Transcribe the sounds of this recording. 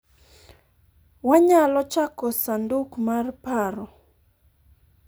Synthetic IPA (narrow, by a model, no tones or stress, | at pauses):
waɲalɔt͡ʃakɔsandukmarpaɾɔ